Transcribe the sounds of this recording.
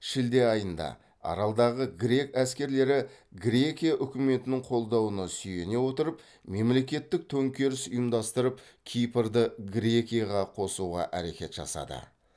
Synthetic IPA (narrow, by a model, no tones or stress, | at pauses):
ʃɪld̪e̞ɑjənd̪ɑ̰ | ɑ̰ɾɑlˠd̪ɑʁəɡɾʲe̞kæskʲe̞ɾle̞ɾɪɡɾʲe̞kʲijaʔʏkʲɪme̞t̪ɪnɪŋqʰo̞lˠd̪ɑwənəsʏje̞ne̞wo̞t̪əɾəp | me̞mle̞kʲe̞t̪ːɪk̚t̪ʰɵŋkʲe̞ɾɪsʊjəmd̪ɑst̪əɾəpkʲʰijpɾd̪əɡɾʲe̞kʲijaʁɑqʰo̞suʁɑ̰ʔæɾe̞kʲe̞t̪ʒ̥ɑ̰sɑ̰d̪ə̰